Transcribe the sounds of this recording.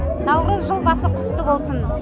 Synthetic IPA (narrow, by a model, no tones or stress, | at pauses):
nɑwɾəzʒolˠbɑsəqʰʊ̥t̪ːəbo̞lˠsən